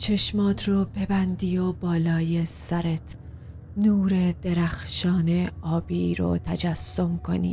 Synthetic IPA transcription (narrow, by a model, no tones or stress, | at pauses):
t͡ʃʰe̞ʃmɒːt̪ʰroːpʰe̞bænd̪iːjobɒːlɒːjesæɾet̪ʰ | nuːɾed̪̥e̞ɾæxʃɒːneɒːbiɾo̰t̪ʰæd͡ʒæsːomkʰo̞̰nḭ̥ː